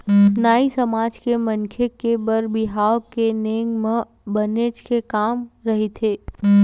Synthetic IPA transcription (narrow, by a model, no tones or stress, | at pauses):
naːisɐmaːd͡ʒkemə̃ŋkʰekebəɾbɪɦaːokeneːŋɡmẽ | bəneːd͡ʒkekaːmɾɐɦet̪ʰeː